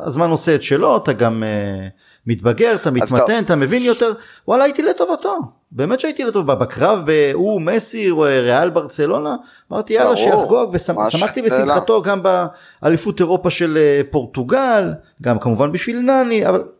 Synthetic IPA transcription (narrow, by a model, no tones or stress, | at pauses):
a̰zmano̞seet̪ʃelo̞at̪aɡameː | it̪baɡe̞ʁat̪amitmat̪e̞nat̪ame̞vinjo̞t̪eʁ | walaːjit̪ilet̪o̞vat̪o̞ | be̞ːme̞tʃait̪ilet̪ovababakʁavbeumesieʁealbaʁt͡selo̞naː | ma̰ʁt̪ijalaʃejafɡoavesasamaχt̪ibesimχat̪o̞ɡamba | ʔalifuteʁo̞paʃe̞lepo̞ʁt̪uɡal | ɡamkamuvanbiʃvilnaniaval